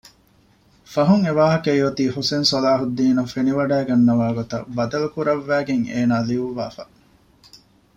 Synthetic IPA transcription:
fɐɦuŋeʋaːɦɐkɐjʋɐt̪iːhosensɔlaːɦud̪ːiːnɐfeniʋɐɖæːɡɐnːɐʋaːɡot̪ɐ̰bɐd̪ɐlukuɾɐʋːæːɡeŋeːnaːliʋuʋːaːfɐ̰

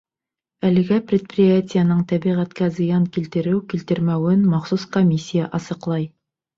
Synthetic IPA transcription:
ælɘ̆ɡæprʲɪt̪̚prʲɪjatʲijənɤɴt̪æbiʁæt̪kæzɤ̆jɑŋkilt̪ɘ̆ɾɘwkilt̪ɘ̆ɾmæwɘnmɑχsuskomʲisʲːijaʔɑsɤ̆qlˠɑj

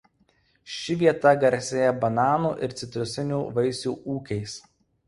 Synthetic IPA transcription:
ʃʲɪʋʲiɛt̪ɐɡɐɾʲsʲeːjɛbɐnɑːnuːʔɪɾt̪sʲɪt̪ʲɾʲʊsʲɪnʲuːʋɐɪsʲuːʔuːkʲɛɪs

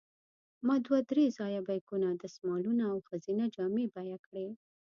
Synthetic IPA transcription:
mɑd̪wad̪ɾezɑjabajkunad̪əsmɑlunaːwxəzinad͡ʒɑmebajakɽe

